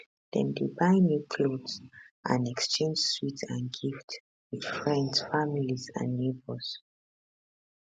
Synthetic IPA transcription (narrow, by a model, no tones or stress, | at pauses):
dɛ̰̃ndibãɪ̃njukʰlodzʔã̰nɛkst͡ʃẽnd͡ʒswitãnɡift | wid̥fɹɛ̃ndsfamilizã̰nːebɔz̥